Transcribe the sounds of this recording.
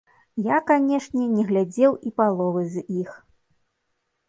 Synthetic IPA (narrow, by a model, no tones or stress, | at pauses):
jakanʲɛʂnʲɛnʲɛɣlʲad͡zʲɛwipalˠɔvɨzʲix